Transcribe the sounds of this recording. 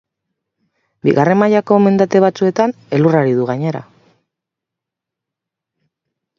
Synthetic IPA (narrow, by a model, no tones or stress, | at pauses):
biɣare̞majako̞me̞nd̪at̪e̞β̞at͡sue̞t̪ane̞luraɾiðuɣaɲe̞ɾa̰